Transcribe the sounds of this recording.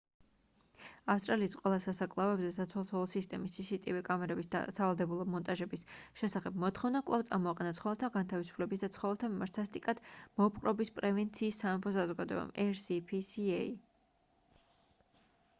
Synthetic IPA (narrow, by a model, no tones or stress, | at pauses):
afst̪ʼɾaliːsqʼwɛlˠasasakʼlˠaɔɛbzɛsat̪ʰɔlˠt̪ʰɔlˠɔsist̪ʼɛmisːisit̪ʼivɛkʼamɛɾɛbisd̪a̰savalˠd̪ɛbulˠɔmɔnt̪ʼaʒɛbisʃɛsaχɛbmɔt̪ʰχɔvnakʼlˠaft̪sʼa̰ɾmɔaqʼɛnat̪sʰχɔvɛlˠt̪ʰaɡant̪ʰavisu̥pʰlɛbis̬d̪at̪sʰχɔvɛlˠt̪ʰamimaɾt̪sast̪ʼikʼad̪̥mɔpʰʼqʼɾɔbispʼɾɛvɛnt̪sʰiːsːamɛmpʰɔsazɔɡad̪ɔ̰ɛ̰ba̰mʔɛɾsipʰisiɛi